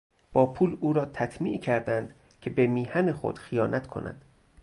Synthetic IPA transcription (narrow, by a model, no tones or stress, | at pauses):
b̥ɒːpʰuːluːɾɒːt̪ʰæt̪ʰmiːʔcʰæɾd̪ænd̪ | cʰe̞bemiːhænexo̰d̪̥xijɒːnʔæt̪kʰo̰nʔæ̰d̪̥